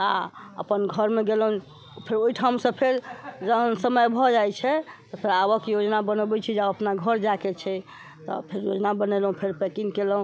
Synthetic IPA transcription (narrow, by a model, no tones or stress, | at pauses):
aə̰pənɡʱəɾmeɡeləɦũ | pʰeɾoiʈʰamsə̃pʰeɾd͡ʒənsəməjbʱɔd͡ʒajt͡ʃʰɛt̪ɔpʰeɾabəkjod͡ʒnabənbɛt͡ʃʰid͡ʒaəpnaɡʱəɾd͡ʒaket͡ʃʰɛ | t̪ɔ̰pʰeɾjod͡ʒnabənɛlɦũpʰeɾpekiŋkelɦũ